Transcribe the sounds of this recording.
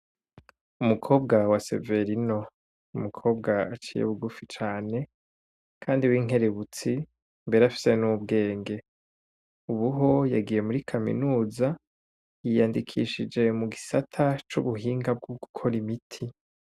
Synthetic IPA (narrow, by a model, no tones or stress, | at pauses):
umukʰo̞ːb̚ɡawase̞̰ve̞ɾino̞ | umukʰo̞ːb̚ɡaat͡ʃiːjḛβuɡufit͡ʃaːne̞ | kʰaːndiwiːŋe̞ɾe̞βut͡si | mbe̞ɾeafi̥se̞nub̚ɡe̞ːŋɡe̞ | uβuɦo̞jaɡije̞muɾikʰamḭnuːza | jijandikʰiʃid͡ʒe̞muɡisatʰat͡ʃuβuɦiːŋɡab̚ɡoɡukʰo̞ɾimitʰi